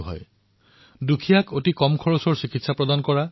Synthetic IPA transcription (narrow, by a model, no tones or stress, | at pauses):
ɦɔ̰j | dukʰijakotikɔmkʰɔɹɔsɔɹsikitsapɹɔdankɔɹa